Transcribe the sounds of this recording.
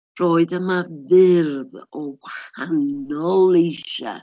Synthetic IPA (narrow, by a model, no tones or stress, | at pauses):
roːɨðəmavɪrðɔwhanɔlˠejʃa̰